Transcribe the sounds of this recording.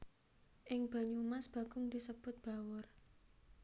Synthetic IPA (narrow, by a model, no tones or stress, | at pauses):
ʔɪŋb̥a̤ɲumasb̥ä̤ɡ̥ʊŋd̪̥isəb̥ʊt̪̚b̥a̤wʊr